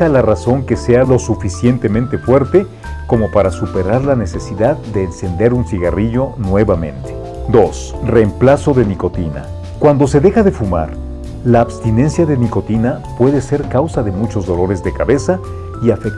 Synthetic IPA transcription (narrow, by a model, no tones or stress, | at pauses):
alaraso̞ŋke̞se̞alo̞sufisje̞nt̪e̞mẽnt̪e̞fwe̞ɾt̪e̞ | ko̞mo̞paɾasupe̞ɾaɾlane̞se̞siðaððe̞ːnse̞nd̪e̞ɾunsiɣariʝo̞nwe̞βamẽ̞̰nt̪e | d̪o̞s | re̞ːmplaso̞ðe̞niko̞t̪ina̰ | kwand̪o̞se̞ðe̞xaðe̞fuma̰ɾ | laːβst̪ine̞nsjaðeniko̞t̪inapwe̞ðese̞ɾkawsaðe̞mut͡ʃo̞zðo̞lo̞ɾe̞zðe̞kaβe̞sa | iafek̚